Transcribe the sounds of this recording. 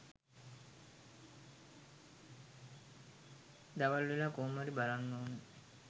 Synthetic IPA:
d̪aʋalʋelakoːmaɾibalanːoːnə

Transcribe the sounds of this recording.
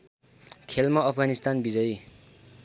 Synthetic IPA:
kʰelmʌʌpʰɡanist̪anbid͡zʌj

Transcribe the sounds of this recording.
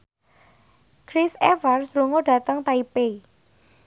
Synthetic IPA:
kɾisɛfarsluŋoɖ̥a̤t̪əŋt̪aipe

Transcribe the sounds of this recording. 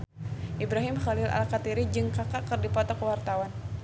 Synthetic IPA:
ʔibɾaɦimχalɪlʔa̰lkat̪iɾid͡ʒɨŋkakaʔkɨrdipɔt̪ɔkəwart̪awan

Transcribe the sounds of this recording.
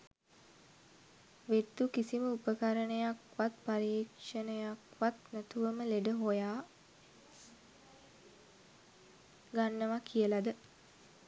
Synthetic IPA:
ʋet̪ːukisiməupəkaɾənəjakʋat̪paɾeːkʂənəjakʋat̪næt̪uʋəməleɖəɦojaː | ɡanːəʋakʰijəlad̪ə

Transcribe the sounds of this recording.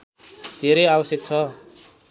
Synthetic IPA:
d̪ʱeɾʌjabʌsjʌk̚t͡sʰʌ

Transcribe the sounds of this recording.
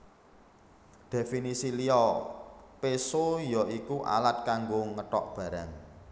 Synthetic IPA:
d̪̥e̤finisiliɔ | pesojɔikuʔa̰lat̪̚kaŋɡoŋəʈɔʔb̥ä̤ɾaŋ

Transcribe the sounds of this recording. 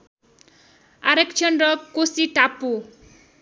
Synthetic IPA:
aɾekt͡ʃʰɔnɖɾɔkosiʈapu

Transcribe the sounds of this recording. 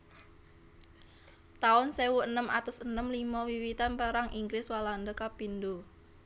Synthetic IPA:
t̪aʊnsewuənəma̰t̪ʊsənəmlimɔwiwit̪anpəɾaŋʔiŋɡɾɪswaland̪əkapind̪o

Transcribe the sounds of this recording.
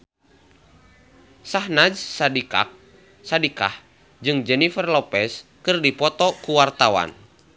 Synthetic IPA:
saɦnad͡ʒsadika̰k̚ | sadika̰h | d͡ʒɨŋd͡ʒɛnifərlɔpɛskɨrdipɔt̪ɔkuwart̪awa̰n

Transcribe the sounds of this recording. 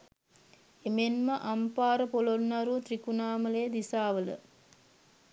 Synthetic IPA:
emenməʔampaːɾəpolonnaɾuːt̪ɾikunaːməleːd̪isaːʋələ̰

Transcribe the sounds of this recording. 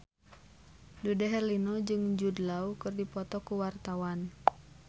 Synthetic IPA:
dudɛɦɛlinɔd͡ʒɨŋd͡ʒudlaukɨrdipɔt̪ɔkuwart̪awan

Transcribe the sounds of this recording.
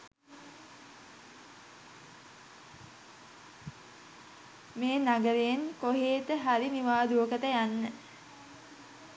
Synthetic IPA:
meːnaɡəɾejeŋkoɦeːt̪əɦaɾiniʋaːd̪uəkət̪əjanːə

